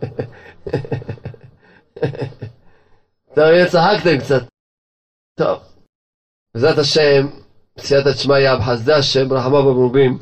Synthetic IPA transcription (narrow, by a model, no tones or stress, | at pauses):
t̪ovjet͡saɦakt̪ɛmkt͡sat̪̚ | t̪o̰v | bzɾat̪aʃɛm | bt͡sijat̪at͡ʃmajabħasd̪aaʃɛmbɾaħamabamɾubim